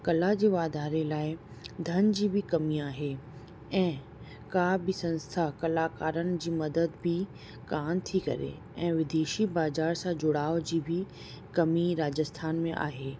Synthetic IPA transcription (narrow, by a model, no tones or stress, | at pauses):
kɐlad͡ʑeːʋaːd̪ʱaːɾelaːɪ | d̪ʱɐnd͡ʑiːbʱɪkɐmiaːɦe | ɛ̃ː | kaːbɪsɐ̃nst̪ʰakɐlaːkaːɾənɪ̆d͡ʑiːmɐd̪əd̪bʱɪ | kaːmt̪ʰikɐ̰ɾḛ | ɛ̃ːʋɪd̪eːʃibaːzaːɾsãd͡ʑʊɽaːod͡ʑiːbʱɪ | kɐmiɾaːd͡ʑəst̪ʰaːnmẽʔa̰ːɦeː